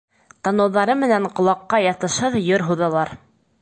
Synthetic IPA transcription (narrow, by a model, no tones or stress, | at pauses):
t̪ɑnɤ̆wðɑɾɤmɘ̆næɴqŏlˠɑqːɑjɑt̪ɤ̆ʃhɤðjoɾɦuðɑlˠɑɾ